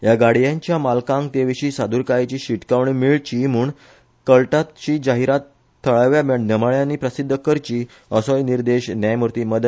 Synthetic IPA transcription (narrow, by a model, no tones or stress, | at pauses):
jaɡaɽ̤jãɲt͡ɕjamalkãŋɡ̚t̪eʋiɕiːsad̪uɾkajt͡ɕiːɕiʈkaʋɳiːmiɭt͡ɕim̤uːɳ | kəɭʈat̪t͡ɕiːd͡ʑaɦiɾat̪ʰː | əɭaʋjaməɳnəmaɭjãnːiːpɾəsid̪ʱːəkəɾt͡ɕiː | əsɔjniɾd̪eɕnjajmuɾt̪iːməd̪